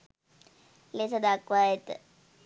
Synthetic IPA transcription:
lesəd̪akʋajet̪ə

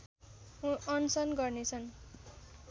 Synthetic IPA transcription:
ʌnsʌnɡʌrnet͡sʰʌn

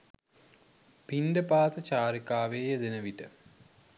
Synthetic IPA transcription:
pinɖəpaːt̪ət͡ɕaːɾikaːʋeːjəd̪enəʋiʈə

